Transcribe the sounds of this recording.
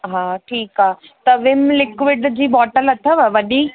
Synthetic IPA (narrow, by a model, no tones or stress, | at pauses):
ɦãːʈʰiːkaɦ | t̪ɐʋɪmlɪkʋɪɖd͡ʑiːbɔːʈəlɐt̪ʰəʋaʋɐɗi